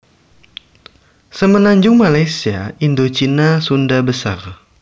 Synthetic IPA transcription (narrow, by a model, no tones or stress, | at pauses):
səmənaɲd͡ʒʊŋmalajsiaindot͡ʃinasundabəsar